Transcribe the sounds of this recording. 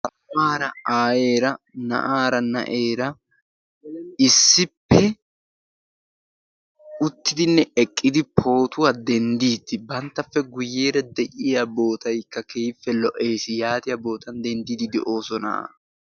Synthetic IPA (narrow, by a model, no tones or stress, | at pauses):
t̪ɐ | maːɾɐaːjeːɾɐnɐ̰ʔaːɾɐnɐ̰ʔeːɾɐ | ɪsːɪpːɛ | ʊt̪ːɪd̪ɪnːɛɛkʼːɪd̪ɪpʰo̞ːt̪ʊwad̪ɛnd̪iːt̪ːɪbɐnt̪ːɐfːɛɡʊjːeːɾɐd̪ɛʔɪjabo̞ːt̪ɐjkːɐkejɪfːɛlɔʔe̞ːsɪjaːt̪ɪjɐbo̞ːt̪ɐnd̪ɛnd̪id̪ɪd̪ɛʔo̞ːsɔna̰